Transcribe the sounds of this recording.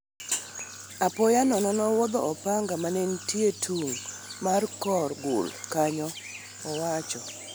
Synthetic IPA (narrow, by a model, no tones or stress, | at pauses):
apɔjanɔnɔnɔwɔd̪ɔ̰ɔpaŋɡamanentietʰuŋ | markɔrɡʊ̰lkaɲɔ | ɔwat͡ʃɔ